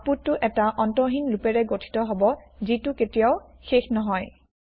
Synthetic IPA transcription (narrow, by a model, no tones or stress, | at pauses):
aputːʊʔɛtaʔɔntɔɦinlupɛɹɛɡotʰi̥tɔɦobɔzitʊketijaʊxexnɔɦɔj